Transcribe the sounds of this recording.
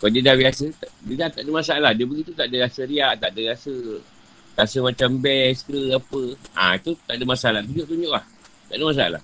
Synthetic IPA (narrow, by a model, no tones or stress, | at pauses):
kadidabiasət̪adidat̪aʔdəmasaalahdiəbəɡit̪ut̪aʔdərasəɾiaʔt̪aʔdəɾiasə | ɾasəmãt͡ʃambɛskəapəʔã̰it̪ut̪aʔdəmasaalat̪uɲd͡ʒʊʔt̪uɲʊʔlah | t̪aʔdəmas̬aa̰la̰h